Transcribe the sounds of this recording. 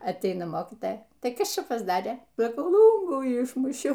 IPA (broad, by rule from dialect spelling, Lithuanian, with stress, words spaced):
ɐtʲˈɛɪnɐ ˈmoːkʲiːtɐjɛ ˈtɐɪ ˈkɐs ˈt͡ʃʲɛ pɐzˈdɑːrʲeː sɐˈkɐʊ ˈlˠuːŋɡuː ˈɪʃmʊʃʲɛʊ